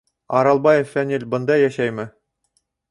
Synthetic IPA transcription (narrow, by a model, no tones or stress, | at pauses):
ɑɾɑlˠbɑjefːænʲilʲbɤ̆nd̪ɑjæʃæjmɘ